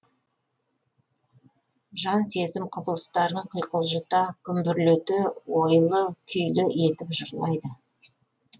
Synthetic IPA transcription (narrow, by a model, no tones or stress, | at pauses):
ʒɑnse̞zɪmqʰʊbəlˠəst̪ɑɾəɴqʰəjqʊlˠʒət̪ɑkʲʰʏmbʏɾlɪt̪ɪwo̞jlˠəkʲʰʏjlɪe̞t̪ɪpʒəɾlˠɑjd̪ə